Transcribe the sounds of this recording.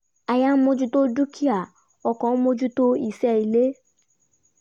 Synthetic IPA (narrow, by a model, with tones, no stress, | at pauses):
a˨ja˦mo˦d͡ʒu˦to˦d͡ʒu˦kʰi˦a˨ | ɔ˧kɔ̃˨˦mo˦d͡ʒu˦to˦i˦˨sɛ˦i˨le˦